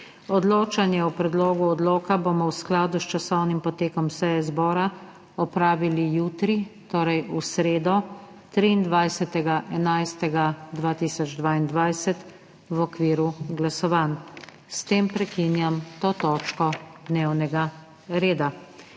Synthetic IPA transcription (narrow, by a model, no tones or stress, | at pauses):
ɔd̪loːt͡ʃanjɛɔpɾɛd̪loːɡuɔd̪loːkabomɔwsklaːd̪ust͡ʃasɔwnimpɔt̪eːkɔmsɛjɛzbɔːɾa | ɔpɾaːʋilijuːt̪ɾit̪oːɾɛjusɾeːd̪ɔ | t̪ɾiːnd̪ʋajsɛt̪ɛɡaʔɛnajst̪ɛɡad̪ʋaːt̪isɔd͡ʒd̪ʋaːind̪ʋajsɛt̪ | wɔkʋiːɾuɡlasɔʋaːn | st̪eːmpɾɛkinjamt̪oːt̪ɔːt͡ʃkɔd̪newnɛɡa | ɾeːd̪a